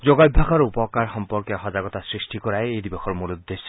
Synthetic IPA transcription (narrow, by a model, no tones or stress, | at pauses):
d͡ʒoɡabʱːakɔɾupɔkaɾxɔmpɔɾkɔɦɔd͡ʒaɡɔt̪asɾisʈikɔɾaeejd̪ibɔxʰɔɾmuɾud̪ːes